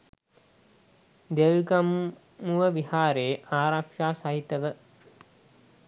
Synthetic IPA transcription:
d̪elɡɐm | muʋəʋihaːɾeːʔaːɾakʂaːsaɦit̪əʋə

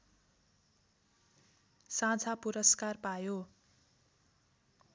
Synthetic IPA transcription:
sãd͡zʱapuɾʌskarpajo

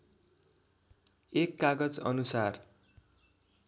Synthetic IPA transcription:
ekːaɡʌd͡zʌ̰nusar

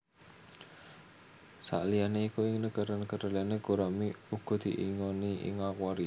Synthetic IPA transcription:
sa̰ʔlianeikuɪŋnəkəɾənəkəɾəlianeɡ̥oɾamiuɡ̥ɔ̤d̪̥iʔḭŋoniɪ̰ŋakwaɾi

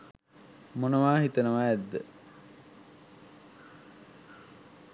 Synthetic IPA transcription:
monəʋaːɦit̪ənəʋaɛd̪ːə

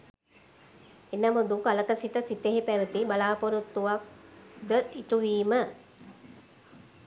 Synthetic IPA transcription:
enːamud̪ukaləkəsiʈəsit̪eɦipæʋət̪ibalaːpoɾut̪ːuʋak̚d̪əiʈuʋiːmə

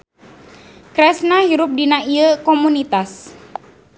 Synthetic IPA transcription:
kɾɛsnahiɾʊp̚dinaiəkɔmunit̪as

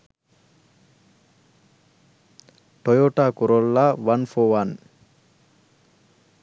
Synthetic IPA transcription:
ʈojoːʈaːkuɾolːaʋɐnfoːʋan

